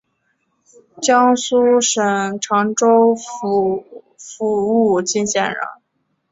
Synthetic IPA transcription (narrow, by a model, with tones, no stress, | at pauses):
t͡ɕjɑ˥ŋsu˥ʂə˨˩ŋʈ͡ʂʰɑ˧˥ŋʈ͡ʂo˥ʊ˧ | fu˧˥u˥˩t͡ɕi˥˧nɕjɛ˥˩nɻə̰˧˥n